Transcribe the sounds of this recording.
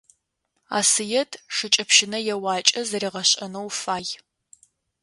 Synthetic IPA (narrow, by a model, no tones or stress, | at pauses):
a̰ːsɨjɛtʰʂɨt͡ʃʼɐpʃɪnɐjɛwaːt͡ʃʼɐzɐriːʁɐɕʼɐnɐwfaːj